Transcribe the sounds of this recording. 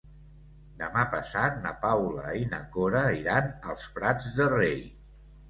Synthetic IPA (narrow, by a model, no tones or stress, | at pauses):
d̪əmapəsat̪̚nə̰pawlə̰inə̰koɾəiɾanəlˠspɾad͡zðərej